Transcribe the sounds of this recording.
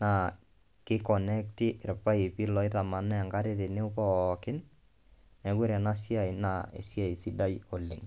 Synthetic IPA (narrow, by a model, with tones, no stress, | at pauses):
na˨ | kɪ˦kɔ˨nɛ˦k̚ti˦ʔɾpa˦e˨pi˦lɔ˨˦i˦ta˨ma˨nɛ˦a˨ŋɡa˦ɾe˦ɾe˨ne˦ʊ˦pɔ˦˨kɪ˦n | nɛ˨ɡe˦ɾa˨na˦si˦a˨i˨na˦ḛ˨sja˨i˨si˦da˦jo˨lɪ˨ŋ